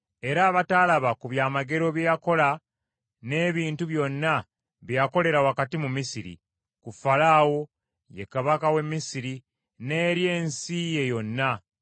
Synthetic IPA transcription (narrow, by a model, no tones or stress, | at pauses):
e̞ɾaːβatalaβakuβjaːmaɡe̞ɾo̞βjejako̞la | ne̞ːβiːntuβjo̞nːa | βjjako̞le̞ɾawakatimumisiɾḭ | kufalaːwo̞ | jekaβakawe̞mːisiɾi | ne̞ːɾje̞ːnsije̞jo̞nːa